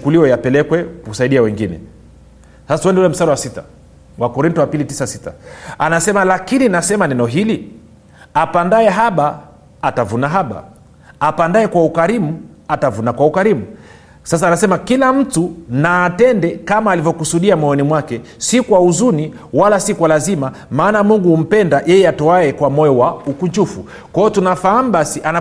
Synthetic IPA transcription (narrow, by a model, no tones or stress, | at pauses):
t͡ʃukuliɔjapɛlɛkwɛkusaiɗiawɛŋɡinɛ̰ | sasatuɛndɛulɛm̩saɾɔwasita | wakɔɾintɔwapilitisasita̰anasɛmalakininasɛmanɛnɔɦili | apandaɛɦaɓaː | tavunaɦaɓa̰ː | pandaɛkwaukaɾimu | atavunakwaukaɾimu | sasaːnasɛmakilam̩tunaːtɛndɛkamaːlivjɔkusuɗiamwɔɔnimwakɛsikwauzuni | walasikwalazima | maːnamuŋɡuum̩pɛndajɛjɛatɔaɛkwamɔjɔwaukuɲt͡ʃufu | kɔɔtunafaam̩ɓasiʔana